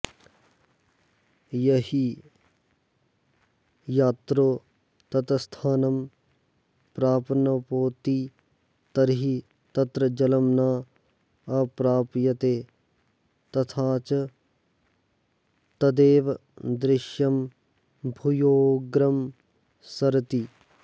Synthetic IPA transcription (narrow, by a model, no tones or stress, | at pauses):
jɐɦi | jaːt̪ɾoː | t̪ɐt̪ɐst̪ʰaːnɐm | pɾaːpnɐpoːt̪iː | t̪ɐɾɦi | t̪ɐt̪ɾɐd͡ʒɐlɐmnaː | ɐpɾaːpjɐt̪eː | t̪ɐt̪ʰaːt͡ʃɐ | t̪ɐd̪eːʋd̪ɾɪʃjɐm | bʱujoːɡɾɐm | sɐɾt̪i